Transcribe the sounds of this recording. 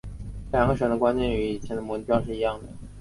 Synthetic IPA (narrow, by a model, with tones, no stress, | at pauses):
ljɑ˨˩ŋɡə˧ʂə˧˥d̪ə˧kwa˥nt͡ɕjɛ˥˩ny˧˥i˨˩t͡ɕʰjɛ˧˥nd̪ə˧mu˧˥u˥jʂɻ̩˥˩i˧˥jɑ˥˩ŋd̪ə˩